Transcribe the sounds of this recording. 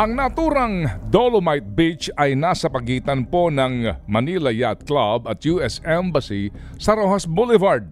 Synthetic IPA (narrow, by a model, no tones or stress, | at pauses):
ʔɐŋnɐʔːt̪uːɾɐŋd̪olomajt̪̚bit͡ʃɐjnaːsɐpɐɡiːt̪ɐnpo̞nɐŋmɐnilɐjat̪̚klabɐt̪̚juɛsɛmbɐsi | sɐɾoːhɐsbulɪvɐɹd̪̚